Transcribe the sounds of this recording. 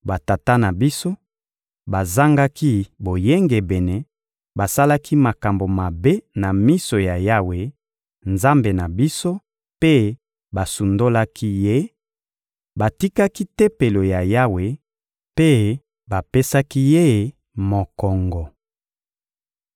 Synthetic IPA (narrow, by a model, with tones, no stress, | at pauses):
ba˨ta˨ta˦na˨bi˦so˦ | ba˨za˦ŋɡa˦ki˦bo˨je˦ŋɡe˨bɛ˨nɛ˨ | ba˨sa˦la˦kʰi˦ma˨ka˨mbo˨ma˨be˦na˨mi˦so˨ja˨ja˦we˨ | nza˦mbe˨na˨bi˦so˦ | pe˦ | ba˨su˨ndo˦la˦ki˦je˦ | ba˨ti˦ka˦ki˦te˦pe˨lo˨ja˨ja˦we˨ | pe˦ | ba˨pe˦sa˦ki˦je˦˨ | mo˨kɔ˨ŋɡɔ˨